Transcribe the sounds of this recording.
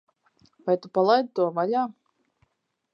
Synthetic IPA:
vajt̪upalˠajd̪̚t̪uɔvalʲaː

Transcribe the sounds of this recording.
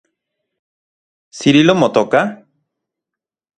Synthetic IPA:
siɾilomot̪oka

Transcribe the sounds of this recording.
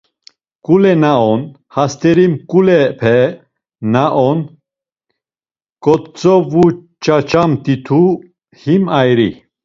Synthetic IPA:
kʼulɛnaɔn | hast̪ʰɛɾimkʼulɛpʰɛ | naʔɔn | kʼɔt̪t͡sʼɔvut͡ʃʼat͡ʃamt̪it̪ʰu | himajɾi

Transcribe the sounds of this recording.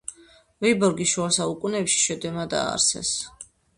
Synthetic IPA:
vibɔɾɡiʃuasaukʼunɛpʃi̥ʃɛd̪ɛmad̪a̰ːɾsɛ̰s

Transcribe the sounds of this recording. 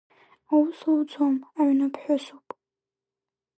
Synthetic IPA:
awʊswt͡sʷʰomaʕɥnɨpʰħʷᶣʊsupʼ

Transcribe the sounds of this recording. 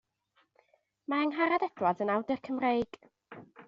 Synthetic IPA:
maəŋɦaɾadɛd̥wadənawdərkʰəmrejɡ̥

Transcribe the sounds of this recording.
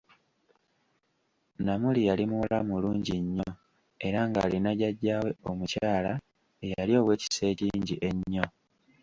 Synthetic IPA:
namulijalimula̰muluːɲɟiɲːo | e̞ɾaːŋɡa̰ːlinaɟaɟːaːwe̞o̞mucaːla | ejaalio̞ːwe̞ːci̥se̞ːciɲɟiʔe̞ɲːo̞

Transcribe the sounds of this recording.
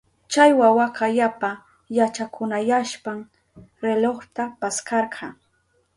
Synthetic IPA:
t͡ʃajwawakajapa | jat͡ʃakʰʊnajaʃpaŋ | ɾeloχt̪apaskɑɾɢʰɑ

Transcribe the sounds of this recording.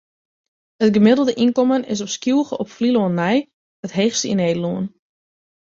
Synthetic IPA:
ətɡəmɪdəl̩ˠdəʔinkɔmənɪ̰s̬ɔpskjuːɣəʔɔpfliloənːɛj | ətɦeːxstəḭneːdəluən

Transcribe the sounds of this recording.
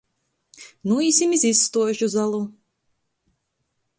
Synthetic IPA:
nuiːsʲimizisːt̪uɔʒuzalˠu

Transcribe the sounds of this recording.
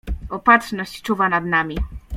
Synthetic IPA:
ɔpatʂnɔɕt͡ɕt͡ʂuvanad̪namʲi

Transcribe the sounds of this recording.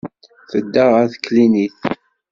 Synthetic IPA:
θəd̪ːəʁæðkliniθ

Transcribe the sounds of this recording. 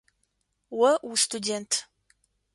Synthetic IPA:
wɐustʰudeːntʰ

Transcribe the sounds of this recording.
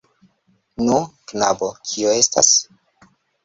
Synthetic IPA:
nuknabokʰioe̞sta̰s

